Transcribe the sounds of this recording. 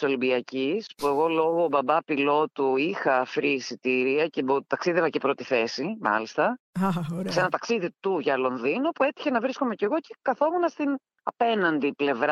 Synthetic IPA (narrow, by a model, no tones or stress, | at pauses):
so̞limbiɐcispue̞ɣo̞lo̞ɣo̞ːbɐbɐpilo̞t̪uixɐfɾisit̪iɾiɐce̞bot̪ɐksiðe̞vɐce̞pɾo̞t̪iθe̞simɐ̰list̪ɐ | senɐt̪ɐksiðit̪uʝɐlo̞nðinupue̞t̪i̥çe̞nɐvɾisko̞me̞ce̞ɣo̞ce̞kɐθo̞munɐst̪in | ɐpe̞nɐnd̪iple̞vɾɐ